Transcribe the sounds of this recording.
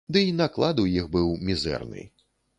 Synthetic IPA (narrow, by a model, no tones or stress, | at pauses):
d̪ɨinaklˠad̪ujixbɨwmʲizɛ̰rnɨ̰